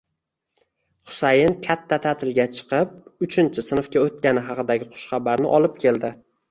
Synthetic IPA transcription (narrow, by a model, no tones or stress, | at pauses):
χʊ̥sajɪnkʲʰat̪ʰːat̪ʰat̪ʰɪlɡʲat͡ʃʰɨ̥qɨp̚ʊt͡ʃʰɪnt͡ʃʰɪsɪnɨfkʲaot̪̚kʲanɪɦɑqɨd̪aɡʲɪqʰʊ̥ʃχɑbaɾnɪ̰ʔɒlˠɪp̚kʲʰe̞ld̪ɪ